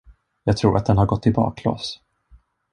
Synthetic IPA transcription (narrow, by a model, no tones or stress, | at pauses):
jɑːɡ̚t̪ʰɾuːɾʔat̪d̪ɛnhaɾɡɔt̪ːɪbɑ̰ːkʰlo̰ːs